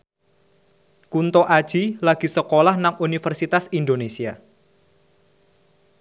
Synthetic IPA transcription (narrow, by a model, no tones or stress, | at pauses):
kunt̪oʔad̥ʒ̥ilaɡ̥i̤səkolahnaŋunifərsit̪asind̪onesia